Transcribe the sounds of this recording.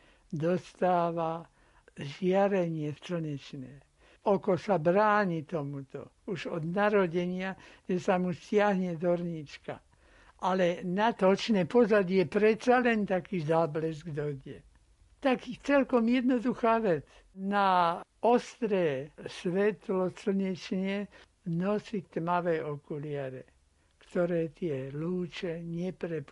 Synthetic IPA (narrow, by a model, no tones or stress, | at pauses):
d̪ɔst̪aːʋa | ʒɪaɾɛɲɪɛft͡sl̩ɲɛt͡ʃnɛː | ɔkɔsabɾaːɲit̪ɔmut̪ɔ̰ | uʒɔd̪naɾɔɟɛɲɪaʒ̥ɛsamuscɪaɦɲɛd̪ɔɾɲit͡ʃka̰ | ʔalɛnat̪ɔt͡ʃnɛːpɔzaɟijɛpɾɛt̪salɛnt̪akiːzaːblɛzɡd̪ɔɟɛ | t̪akit͡sɛlkɔmjɛd̪nɔd̪uxaːʋɛt͡s | naɔst̪ɾɛːsʋɛt̪lɔsl̩ɲɛt͡ʃɲɛ | nɔsit̪maʋɛːɔkulɪaɾɛ | kt̪ɔɾɛːt̪ɪɛluːt͡ʃɛɲɛpɾɛp